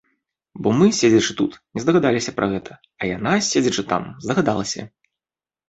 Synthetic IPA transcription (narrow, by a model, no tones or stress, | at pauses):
bɔmɨsʲed͡zʲɐt͡ʂɨt̪ut̪nʲɛzd̪ɐɣad̪alʲisʲɐpɾʔɐɣɛt̪ʰɐ | ɐjanasʲed͡zʲɐt͡ʂɨt̪a̰mzd̪ɐɣad̪alˠɐsʲɐ̰